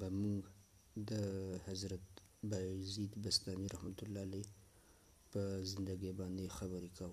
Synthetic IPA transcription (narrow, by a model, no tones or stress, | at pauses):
bamʊɡ | d̪əhazɾat̪ | bajzid̪bast̪ɑmiɾahmat̪ʊlːɑle | pəzɪnd̪aɡebɑnd̪exabəɾekawə